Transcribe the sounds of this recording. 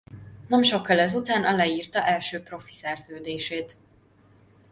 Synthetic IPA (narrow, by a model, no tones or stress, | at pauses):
nɛmʃo̞kːɒlɛzut̪aːnʔɒlɛiːrt̪ɒʔɛlʃøːpro̞fi̥sɛrzøːd̪eːʃeːt̪